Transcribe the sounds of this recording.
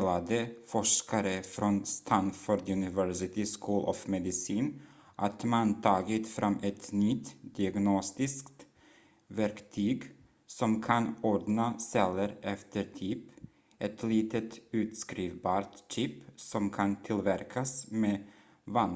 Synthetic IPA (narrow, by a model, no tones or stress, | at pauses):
lad̪əfɔʂkaɾəfɾɔnst̪ʰanfɔɾd̪ɵnɪvæɾsɪt̪ɪskʰuːlʔɔ̰fmɛd̪ɪsiːn | ʔat̪mant̪ʰɑːɡɪt̪fɾʔamːʔɛt̪nʏt̪d̪̥ɪaɡnɔst̪ɪskt̪ | væɾkt̪ʰyːɡ | sɔmkʰanɔɖnasɛlːəɾʔɛft̪ʰəɾt̪ʰyp | ʔɛt̪ʰliːt̪ət̪ʉ̟ːt̪skɾiːvbɑːɾt̪t͡ʃʏpsɔmkʰant̪ʰɪlvæɾkʰasmeː | van